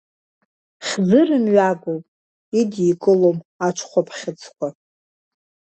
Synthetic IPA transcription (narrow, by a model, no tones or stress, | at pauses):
χʲzɨrɨmɥaɡʷopʼ | idikʼɨlomat͡ʃʷʰχʷapʰχʲɪt͡sʰkʷʰa